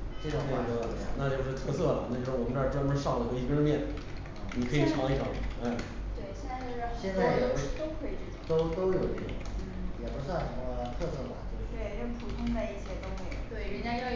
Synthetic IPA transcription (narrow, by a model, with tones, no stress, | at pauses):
ʈ͡ʂɤ˥˩ʈ͡ʂʊ˨˩ŋ˥˩ɡ̪ə̰˧˩˨na˥˧t͡ɕjo˥˧ʊʂɻ̩˥˩t̪ʰɤ˥˧sɤ˥˩lɐ˨˩na˥˩˧o˥˧ʂwɔ˨˩ə˦˥ʈ͡ʂːʈ͡ʂpu˧˥˧ʂɑ˥˩ŋlə˨˧˩o˧˥i˥˩ɛ˥d̪mjɛ˥˩n | ni˨˩kʰɤ˧˥i˨˩ʈ͡ʂʰɑ˧˥ŋi˥˩ʈ͡ʂʰɑ˧˥ŋ˥˩˥a˥˩we˥˩ɪɕjɛ˥˧na˥˧t͡ɕo˥˧˥ɕɕjɛ˥˧nt͡sa˥˩˧ɛ˧˩˥t̪o˥ʊkʰɤ˧˥i˨˩ʈ͡ʂ̩˥˩˥t̪o˥ʊt̪o˥ʊ˧˩jo˨˩˧o̰˥˩˥jɛ˨˩pu˧˥swa˥˩nʂəɑ˧˥ə˧t̪ʰɤ˥˧sɤ˥˩bɐ̰˩t͡ɕjo˥˧ʊʂ̩e˥˩o˥˩pʰu˨˩t̪ʰʊ˥ŋt͡sa˥˧ɪi˥˩ɕjɛ˥t̪o˥ʊme˧˥ɪjo̰˨˩ʊt̪we˥˩ɻj